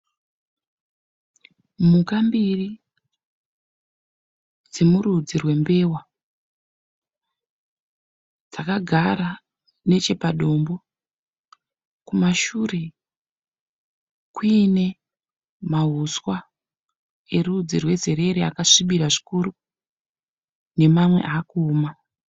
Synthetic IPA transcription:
mukambiri | d͡zemuɾud͡zirwe̞mbe̞wa | d͡zakaɡʱaɾa | ne̞t͡ʃe̞paɗo̞mbo̞ | kumaʃure̞ | kwine̞ | maɦuswa | e̞rud͡zirwe̞ze̞ɾe̞ɾea̰kaʂiɓiɾaʐikuɾu | ne̞mamwe̞̰ʔaːkuːma

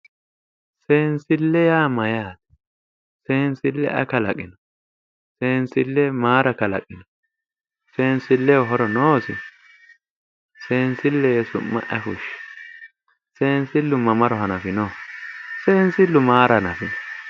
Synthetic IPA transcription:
seːnsɪlːɛjaːmɐjaːd̪ | seːnsɪlːɛ̰ʔɐ̰kɐlɐ̰kʼːɪnɔ | seːnsɪlːɛmaːɾɐkɐlɐ̰kʼːɪnɔ | seːnsɪlːɛɔɦɔɾɔnoːsɪ̰ | seːnsɪlːɛjsʊ̰mːɐ̰ʔɛfʊʃ | seːnsɪlːʊmɐmɐɾɔɦɐnɐfɪnɔ | se̞ːnsɪlːʊmaːɾɐnɐfɪnɔ

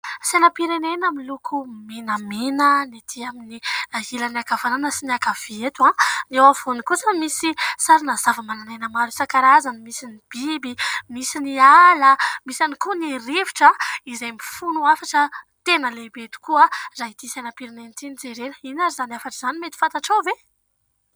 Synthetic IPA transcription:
sanapiɾenenamilukʰumenamenənit̪ʰiaminiailəniakavananəsinakav̥eet̪uãnewavonikusəmisisaɾinazavəmananajnamaɾusakaɾazənimisinib̥ibimisinialəmisanikuniɾiviʈ͡ʂəizajmifunuafaʈ͡ʂə | t̪enəlebet̪u̥kuazaɦid̪isanəpiɾinenit̪inid͡zeɾenəinazizaniafaʈ͡ʂiz̥animet̪i̥fãnt̪aʈ͡ʂawve

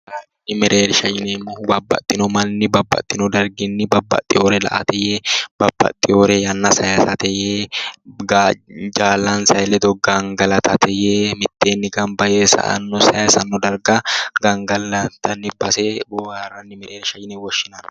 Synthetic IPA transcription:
aːrɐnːɪmɛɾʔeːɾʃɐjɪnenːʊbɐbːɐ̰t̪ʼːɪnɔmɐnːɪbɐbːɐ̰t̪ʼːɪnɔd̪ɐɾɡɪnːɪbɐbːɐ̰t̪ʼːɪoːɾɛlɐ̰ʔɐ̰t̪ɛjeb̥ɐbːɐ̰t̪ʼːɪoːɾɛjɐnːɐsɐjasɐt̪ɛjeːɡad͡ʒaːlɐnsɐjlɛd̪ɔɡɐŋɡɐlɐt̪ʰɐt̪ʰɛjeːmɪt̪ːeːnːɪɡɐmbɐjeːsɐ̰ʔɐ̰nːɔsɐjasɐnːɔd̪ɐɾɡaɡɐŋɡɐlːɐt̪ɐnːɪbɐsebɔaːrɐnːɪmɛɾeːɾʃɐjɪnewɔʃːɪnɐɾ

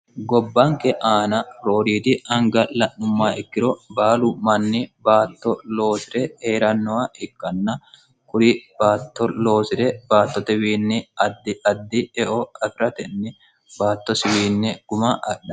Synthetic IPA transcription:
ɡɔbːɐŋkɛʔaːnɐɾoːɾiːd̪ɪɐŋɡɐlɐʔːʊmːaːɪkːɪɾɔbaːlʊmɐnːɪbaːt̪ːɔlo̞ːsɪɾɛheːɾɐnːɔwaɪkːɐnːɐ | kʊɾɪb̥aːt̪ːɔlo̞ːsɪɾɛb̥aːt̪ːɔt̪ɛwiːnːɛɐd̪ɪɐd̪ːɪɛʔɔɐfɪɾɐt̪ɛnːɪ | baːt̪ːɔsɪwiːnːɛɡ̥ʊmɐʔɐɗːɐ

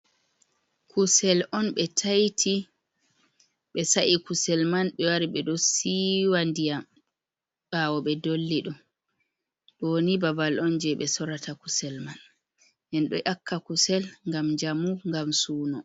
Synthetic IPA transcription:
kʰusɛlʔɔnɓɛtʰajtʰi | ɓɛsaʔikusɛlmanɓɛwaɾiɓɛɗɔsiwandija | ɓawɔɓɛdolːiɗɔm | ɗonibabalʔɔnd͡ʒɛɓɛsɔɾatʰakusɛlman | ʔɛnɗɔʔakʰːakusɛlŋɡamɲd͡ʒamuŋɡamsuːnɔ

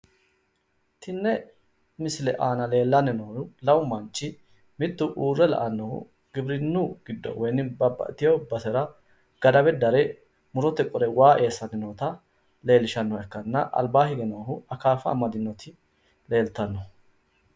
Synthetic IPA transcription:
t̪ɪnːɛ | mɪslɛ̰ʔaːnɐle̞ːlːɐnːɛnoːʊlɐwʊmɐnt͡ʃʼːɪ | mɪt̪ːʊʔuːrːɛlɐ̰ʔɐnːɔhʊ̰ | ɡ̥ɪbɾɪnːuɡɪd̪ːɔ̰wɔjnːɪbɐbːɐ̰t̪ɪjɔbɐsɛɾɐ | ɡ̥ɐd̪ɐbɛd̪ɐɾɛ | mʊɾɔt̪ːɛkʼɔɾɛwaːʔeːsːɐnːɛnoːt̪ɐ | le̞ːlɪʃɐnːɔɛkːɐnːɐʔɐ̰lbaːhɪɡɛnɐɦʊɐkaːfɐːmɐd̪ɪnːɔt̪ɪ | le̞ːlt̪ɐnːɔ

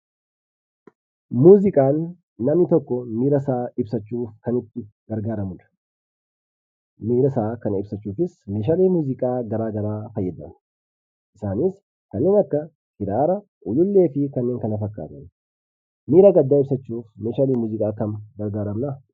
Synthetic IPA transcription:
muːzɪkʼaːnː | ɐmnɪt̪ɔkːɔmiːɾɐsaːɪbsɐt͡ʃːuːfkɐnɪt̪ːɪɡ̥ɐɾɡaːɾɐmʊᶑ̪ɐ̥ | miːɾɐsaːkɐnɪbsɐt͡ʃːuːfɪsmeːʃ̬aːleːmuːzɪkʼaːɡɐɾaːɡɐɾaːfɐjːɛd̪ɐn | ʔɪsaːniːs | kɐnːeːnɐkːɐ | hɪɾaːɾɐ | ʔʊlʊlːe̞ːfɪkɐnːeːŋkɐnɐfɐkʼːa̰ːt̪ɐn | miːɾaɡɐd̪ːaːɪbsɐt͡ʃːuːfmeːʃaːleːmuːzɪkʼaːkɐnɡɐɾɡaːɾɐmnɐ

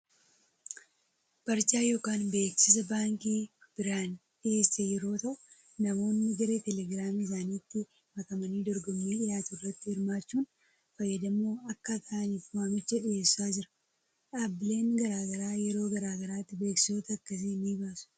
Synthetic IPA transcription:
b̥ɐɾt͡ʃaːjo̞ːkaːnbe̞ːksɪs̬ɐbaːŋkiːb̥ɪɾaːnᶑɪe̞ːst̪ɛjɛɾo̞ːt̪ɐʔʊ | nɐmo̞ːnːɪd͡ʒɐɾet̪ɛlɛɡɾaːmɪs̬aːniːt̪ːɪ | mɐk̪ɐmɐniːd̪ɔɾɡɔmːiːᶑɪjaːt̪ʊrːɐt̪ːɪhɪɾmaːt͡ʃːuːn | fɐjːɐd̪ɐmːo̞ːɐkːɐt̪ʰaːniːfʊaːmɪt͡ʃːɐᶑɪje̞ːsːaːd͡ʒɪɾɐ̥ | ʔabːɪle̞ːŋɡɐɾaːɡɐɾaːjɛɾo̞ːɡɐɾaːɡɐɾaːt̪ːɪbe̞ːksɪ̥so̞ːt̪ɐːkːɐs̬eːniːbaːsʊ̥

